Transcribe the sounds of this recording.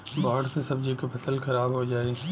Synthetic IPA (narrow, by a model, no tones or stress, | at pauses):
bɔːʈsesɐbd͡ʒikopʰɐsəlxɐɾaːbɦod͡ʒaːe